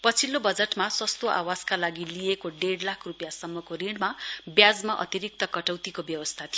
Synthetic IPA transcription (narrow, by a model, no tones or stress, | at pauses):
pʌt͡sʰilːobʌd͡zeʈmaswʌst̪oʔa̰waskalaɡiliekoɖeɽlakʰrupjasʌmːʌkoriɳɖmabjad͡zmaʔʌ̰t̪iɾik̚t̪ʌkʌʈʌwt̪ikobjʌbʌst̪ʰat̪ʰij